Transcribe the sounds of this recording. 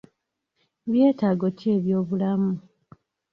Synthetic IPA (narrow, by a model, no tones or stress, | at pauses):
βje̞ːtaːɡo̞tie̞βjo̞ːβulamu